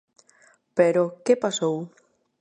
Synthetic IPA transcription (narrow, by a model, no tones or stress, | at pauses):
peɾokepasow